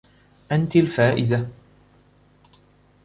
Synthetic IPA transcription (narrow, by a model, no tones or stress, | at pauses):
ʔant̪alfaːʔɪza